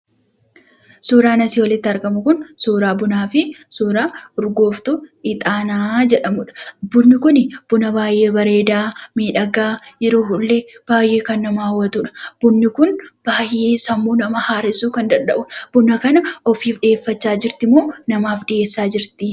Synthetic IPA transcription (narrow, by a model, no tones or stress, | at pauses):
suːɾaːnɐsiwɐlɪt̪ːɪɐɾɡɐmʊkʊnsuːɾaːbʊnaːfɪsuːɾaːʊɾɡo̞ːft̪ʊɪt̪ʼaːnaːd͡ʒɛᶑɐmʊᶑɐ̥bʊnːɪkʊnɪb̥ʊnɐbaːjʔeːbɐɾe̞ːd̪aːmiːᶑɐɡaːjɛɾoːhʊlːeb̥aːjʔe̞ːkɐnːɐmaːwːɐt̪ʊᶑɐ̥b̥ʊnːɪkʊnb̥aːjʔeːsɐmːuːnɐmɐhaːɾɪsuːkɐnd̪ɐnd̪ɐʔʊb̥ʊnɐkɐnɐɔfiːfᶑɪeːfːɐt͡ʃːaːd͡ʒɪɾt̪ɪmoːnɐmaːfɗɪʔe̞ːsːaːd͡ʒɪɾt̪ɪ